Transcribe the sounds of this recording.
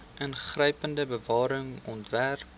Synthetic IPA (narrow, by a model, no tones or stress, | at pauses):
ʔənχrəjpəndəbəvɑːɾəŋɔntværp